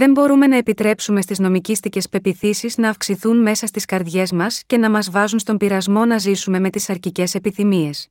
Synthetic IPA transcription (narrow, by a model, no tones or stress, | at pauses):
ðe̞mbo̞ɾume̞nɐepit̪ɾe̞psume̞st̪izno̞micist̪ice̞spe̞piθisiznɐːfksiθunme̞sɐst̪iskɐɾðʝe̞zmɐsce̞nɐmɐzvɐzunst̪o̞mbiɾɐzmo̞nɐzisume̞me̞t̪isɐɾcice̞se̞piθimie̞s